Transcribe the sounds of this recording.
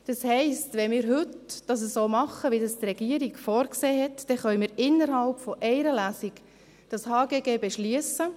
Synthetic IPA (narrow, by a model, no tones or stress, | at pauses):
d̥ɑshɛɪstʋɛmɪːɾɦʏtd̥ɑs̬əssoːmɑχəʋidɑstrɛɡ̥iəɾiɡfɔːɾkseːɦɛt̪d̥ɛχœʏmɪːɾɪnːəɾɦɑlpfɔʔɛɪɾəlæːsik | d̥ɑshɑːɡeːɡeːbɛʃlyəsə